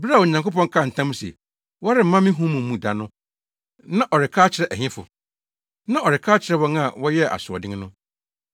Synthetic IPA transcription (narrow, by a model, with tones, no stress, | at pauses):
bɾwɔ˨ɲã˨ŋko˦pɔ̃˦ŋ˦kʰa˦˨n̩˨tʰã˦m˦sḛ˨ | wɔ˦ɾɪ˦˨m̩˨mã˦mɪ̃˦ɦũ˦mũ˨˦mũ˨da˨nʊ̃˦ | nã˦ʔɔ˨ɾɪ˨kʰaː˦t͡ɕʰɪ˨ɾɛ˦ʔɛ˨ɲɪ̃˦fʊ̰˨ | nã˦ʔɔ˨ɾɪ˨kʰaː˦t͡ɕʰɪ˨ɾɛ˦wɔ̃˦ŋa˨wɔ˦jɛ˦ʔa̰˨sʊ˨ɔ˨dɪ̃˦ŋ˦nʊ̃˦